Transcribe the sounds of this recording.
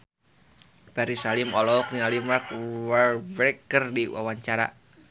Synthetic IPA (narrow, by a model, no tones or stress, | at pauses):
pɛɾisalimɔlɔɔk̚nialimak̚walbɾɛkːərdiwa̰waɲt͡ʃaɾa̰